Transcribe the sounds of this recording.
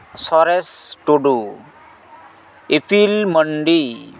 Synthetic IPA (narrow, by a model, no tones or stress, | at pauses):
sɔɾesʈoɖu | epʰilməɳɖi